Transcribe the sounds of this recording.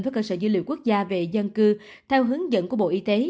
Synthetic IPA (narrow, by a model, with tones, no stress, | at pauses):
vəː˨˦jkəː˧səː˧˩zu˧˦lḭ˧˨wku˦˥k̚zaː˧ve˨˩zə˧nkɨ˧ | t̪ʰɛ˧wɦɨ˨˦əŋzə̰˧˨nku˧˩əɓo̰˧˨ʔi˧t̪e˨˦